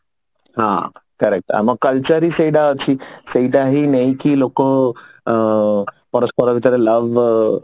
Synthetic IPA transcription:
ɦã̰kəɾek̚ʈa̰məɡkəlt͡ʃəɾiseiɖaɦət͡ʃʰiseiɖaɦinajkiloko | pɔɾəspɔɾɔʋit̪əɾeləʋ

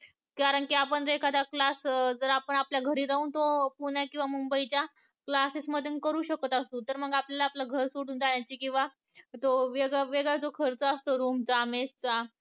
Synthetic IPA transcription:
kaɾəɳkiapəɳd͡zekʰad̪aklasd͡zəɾapəɳapljaɡʱəɾiːɾauːnt̪opuɳjakĩw̃ʋamumbəit͡ɕja | klasisməd̪ʱjənkəɾuːɕəkət̪ast̪uːt̪əɾməɡapljalaːplaɡʱəɾsoɽuːnd͡zaɳjat͡ɕiːkĩw̃ʋa | t̪oʋeɡɭaʋeɡɭad͡zokʰəɾt͡səːst̪oɾumd͡zamest͡sa

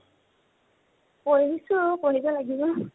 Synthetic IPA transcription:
poɹiisʊkoɹibɔlaɡibɔ

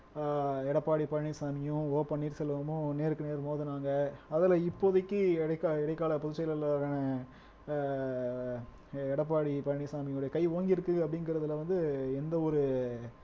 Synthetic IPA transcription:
ɛɽɐpːaːɽipɐɻːisaːmɪjʊ̃oːpɐɳːiːɾsɛlːʋɐmʊ̃neːɾɯkːɯneːɾmoːðɐnaːŋɡɐɐðɐlɐɪpːoːðɪkʲːɯɛɽɐkːaɛɽɐkːaːlɐpɔðɯt͡ʃːɛjlɐlaɾɐnɐ | ɛɽɐp̬ːaːɽipɐɳisaːmɪjʊ̃ɔɽɐjɐkɐɪʋoːŋɡɪɾɯkːɯɡɐpːɐɽɪnɡɪɾɐðɯlɐʋɐnd̪ɯɛnd̪ɐɔɾɯ

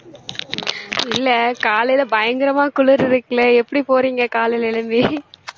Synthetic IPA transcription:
ɪlːɐkaːlɐɪlɐbɐjɐŋɡɪɾɐmaːkʊɭɯɾɪɾɯkːɐlɐɛpːɐɽipoːɾiːŋɡɐkaːlɐɪlɛɭɯmb̪i

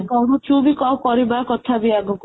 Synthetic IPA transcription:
kɔɾut͡ʃubikɔkɔɾibakɔt̪ʰabiaɡɔk

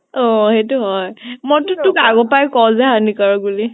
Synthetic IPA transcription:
ɔ̃hetuɦɔjmɔtʊtʊkaɡɔpajkɔzɛɦanikaɹɔɡuli

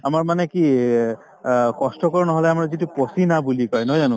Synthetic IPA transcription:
amaɹmanɛki | kɔstɔkɔɹnɔɦɔlɛamaɹzitupɔsinabulikɔjnɔɦɔzanʊ̃

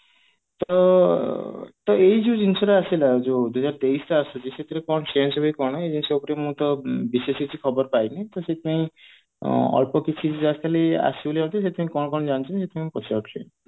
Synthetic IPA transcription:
t̪ɔ | t̪ɔejd͡ʒiwd͡ʒinsɔɾeasilad͡ʒod̪uɦɔzaɾt̪eisʈɔasɔd͡ʒiset̪ʰiɾekɔɽ̃ɔsensɔbʱɔjkɔɽ̃ɔed͡ʒinsɔopɔɾemũt̪ɔbisesit͡ʃʰikʰɔbɔɾpajnet̪ɔset̪ʰipaĩ | ɔ̰ɭpɔkit͡ʃʰid͡ʒd͡ʒaskalia̰siboliãw̃t̪ʰiset̪ipaĩkɔɽ̃ɔkɔɽ̃ɔd͡ʒañt͡ʃʰinset̪ʰipãipɔt͡ʃʰibɔkʰlʰḛ

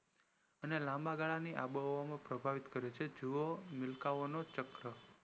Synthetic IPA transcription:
ənelãmbaɡaɭaniʔa̰bəʋamãpɾəbʱaʋit̪kəɾet͡ʃʰed͡ʒuomɪlkaʋonot͡ʃəkɾə

